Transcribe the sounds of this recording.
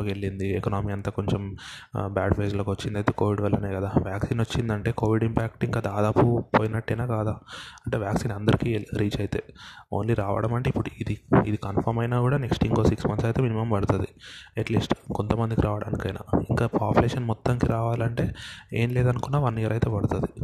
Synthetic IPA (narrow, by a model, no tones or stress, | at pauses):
okeɭːind̪iekɐnaːmiːɐnt̪aːko̞ɲt͡ʃem | baːʈpeːd͡ʒlo̞ːkʋɐt͡ʃːind̪ɐjt̪e̞ːko̞ːʋiɖʋɐlːɐneːkɐd̪aːʋjaːksiːnot͡ʃːind̪ɐɳʈe̞ːko̞ːʋiɖimpaːk̚ʈiŋkaːd̪aːd̪aːpupoːjinɐʈːɐjnaːkaːd̪aːɐɳʈe̞ːʋjaːksiːnɐnd̪ɐɾikiɾiːt͡ʃɐjt̪e̞̰ːoːnliɾaːʋɐ̰ɽɐmɐɳʈeipːuɽuid̪iḭd̪ikɐnpʰɐɾmɐjnaːkuːɽaːne̞ksʈiŋɡoːsiksmɐnsɐjt̪e̞ːminimɐmʋɐɽut̪ɐd̪ieʈliːsʈko̞nt̪ɐmɐnd̪ikiɾʔaːʋɐɽa̰ːnikɐjna̰ːiŋkaːpaːpuleːʂɐnmɔt̪ːɐŋkiɾaːʋaːlɐɳʈe̞ːeːnleːd̪ɐnukunːaːʋɐnijɐɾɐjt̪e̞ːbɐɽut̪ɐd̪i